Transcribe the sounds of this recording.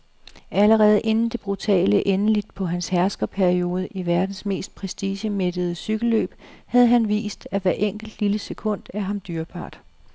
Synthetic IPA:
æləʁɛːð̞̩ˠʔe̝nn̩d̥e̝b̥ʁut͡sʰɛ̰ːləʔenəlid̥̚pʰɒ̽ɦænshæɐsɡ̥ɐpʰæɐio̝ːð̞ˠəʔiʋæɐd̥n̩sme̝̰ːsd̥̚pʰʁɛsd̥iːɕəmed̥əð̞̩ˠəsyɡ̥əl̩ːø̰ːb̥hæð̞ˠəɦænʋḭːsd̥æʋæɐʔeŋ̰ɡ̥l̩d̥liləsekʰɔ̽n̰d̥æɐɦɑ̈md̥yːɐb̥ɑ̰̈ːd̥

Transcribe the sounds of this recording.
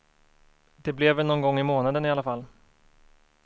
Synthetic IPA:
d̪̥ɛblɛvːɛlnɔnɡɔŋːɪmoːnad̪ənɪalːafalː

